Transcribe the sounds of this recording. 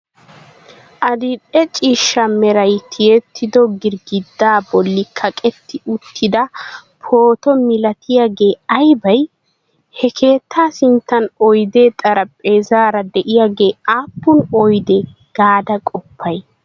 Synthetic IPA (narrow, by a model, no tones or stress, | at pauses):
ʔɐd̪ɪᶑɛt͡ʃʼiːʃːɐmɛɾɐjt̪ʰɪjɛt̪ːɪd̪ɔɡɪɾɡɪd̪ːaːbɔlːɪkʰːɐkʼɛt̪ːɪʔʊt̪ʰːɪd̪ɐ | pʰo̞ːt̪ɔmɪlɐt̪ʰɪjaːɡe̞ːɐjbɐj | hɛkʰe̞ːt̪ʰːaːsɪnt̪ːɐnɔjd̪e̞ːt̪ʼɐɾɐpʼeːzaːɾɐd̪ɛʔɪjaːɡe̞ːaːpːʊnɔjd̪ɛ | ɡ̥aːd̪ɐkʼɔpʰːɐj